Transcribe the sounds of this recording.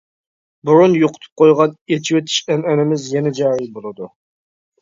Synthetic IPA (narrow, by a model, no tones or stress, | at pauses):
bʊɾunjoqʰʊ̥t̪ʰɨ̥p̚qʰojʁɑnet͡ʃʰiwet̪ʰi̥ʃɛnɛnɪmɪzjɛnɛd͡ʒɑːɾijbolˠɨd̪u